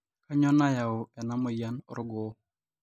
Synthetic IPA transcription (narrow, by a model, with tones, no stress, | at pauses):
ka˦ɲɔ˦na˦ja˨ʊ˨ɛ˨na˦mɔ˨ja˦n˨ɾʊ˦ɡɔ˨